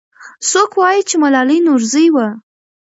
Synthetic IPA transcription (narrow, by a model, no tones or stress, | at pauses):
sokwɑjit͡ʃemalɑlinoɾzəjwa